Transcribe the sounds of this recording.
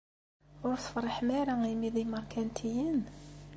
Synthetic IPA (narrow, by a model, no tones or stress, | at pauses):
ʊɾθə̥fɾˤəħmæɾaimiðiməɾˤkʰænt̪ʰijən